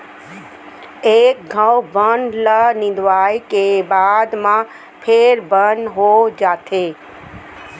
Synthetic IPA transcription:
ek̚ɡʱãwbənlənɪ̃nd̪ʋaːjkebaːd̪mã | pʰeɾbənɦod͡ʒaːt̪ʰe

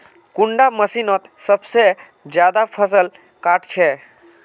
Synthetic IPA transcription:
kuɳɖaməsinɔt̪səbse | d͡ʒjad̪apʰəsəl | kaʈt͡ʃʰɛ

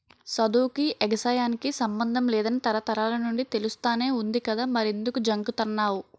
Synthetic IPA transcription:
sɐd̪uːkiʔeɡɐsaːjaːnikisɐmbɐnd̪ʱɐmlɛːd̪ɐnit̪ɐɾɐt̪ɐɾaːlɐnuɳɖit̪e̞lust̪aːne̞ːund̪ikɐd̪aːmɐɾe̞nd̪ukud͡ʒɐŋɡut̪ɐnːaːwu

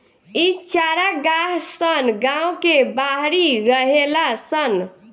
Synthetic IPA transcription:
it͡ʃaɾaɡaɦsənɡãwkebaɦɾiɾəɦelasən

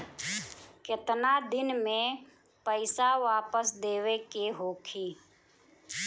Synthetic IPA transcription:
kɪt̪nad̪ɪnmẽ | pəɪsaʋaːpəsd̪eːwekeɦoːkʰiː

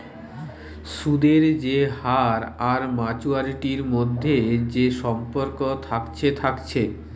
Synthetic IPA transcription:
ʃud̪eɾd͡ʑehaɾaɾmat͡ɕuaɾiʈiɾmod̪ʱːed͡ʑeʃɔmpoɾkot̪ʰakt͡ɕʰet̪ʰakt͡ɕʰe

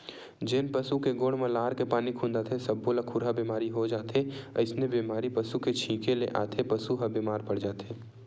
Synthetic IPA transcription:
d͡ʒɪnpɐsukeɡoːɽmẽlaːɾkepaːnikʰũnd̪at̪ʰesɐbːoləkʰʊɾɦabiːmaːɾiɦod͡ʒaːt̪ʰeɐ̰ɪsnebiːmaːɾipɐsuket͡ʃʰĩːkelḛʔa̰ːt̪ʰepɐsuɦɐbiːmaːɾpɐɽ̤d͡ʒaːt̪eː

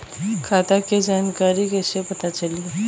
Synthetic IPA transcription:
kʰat̪aked͡ʑankaɾiːɡeɕepət̪at͡saliː

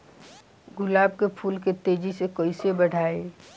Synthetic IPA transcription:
ɡʊlaːbkepʰuːlket̪eːd͡ʒisekəɪsebəɽ̤ʱaːe

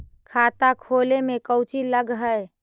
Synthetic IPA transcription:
kʰat̪akʰolemekəwt͡ʃiləɡɦəj

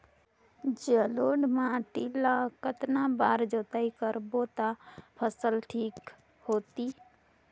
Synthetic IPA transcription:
d͡ʒəloːɖmãʈilakət̪nãbaːɾd͡ʒoːt̪aikəɾbot̪apʰəsəlʈʰiːk | hoːt̪iː

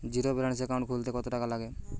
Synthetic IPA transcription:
d͡ʒiɾobiɾaɽis̬ekaw̃ɳʈkʰult̪ekɔt̪oʈakalaɡe

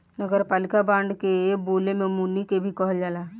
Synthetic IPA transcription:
nəɡəɾpaːlɪkabãːɳɖkeboːlemẽmunikebʱikɔɦd͡ʒaːlaː

